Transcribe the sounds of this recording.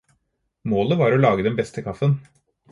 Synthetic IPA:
moːləʋɑːɾolɑːɡəd̪ɛnbɛst̪əkʰɑfən

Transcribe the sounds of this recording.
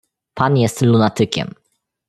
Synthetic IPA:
panjɛst̪lunat̪ɘkʲɛ̰m

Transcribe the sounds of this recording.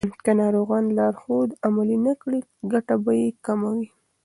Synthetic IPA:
kanɑɾoɣɑnlɑɾxod̪amalinakɽiɡaʈabajekamawi

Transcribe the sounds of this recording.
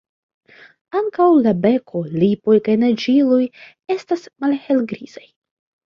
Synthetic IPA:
aŋkawlabe̞kʰo̞lipo̞jkajnad͡ʒiluj | e̞stasmalhe̞lɡɾiz̥aj

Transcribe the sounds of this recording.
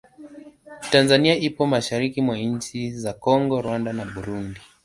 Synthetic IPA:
tanzaniaipɔmaʃaɾikimwaɲt͡ʃizakɔŋɡɔɾwandanaɓuɾundi

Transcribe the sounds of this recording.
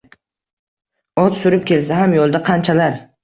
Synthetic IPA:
ɒt̪sʊɾɪp̚kʲe̞lsaɦamjolˠd̪aqʰɑnt͡ʃʰalaɾ

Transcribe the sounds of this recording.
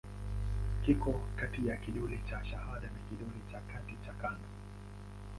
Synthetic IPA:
kikɔkatijakiɗɔlit͡ʃaʃahaɗanakiɗɔlit͡ʃakatit͡ʃakandɔ

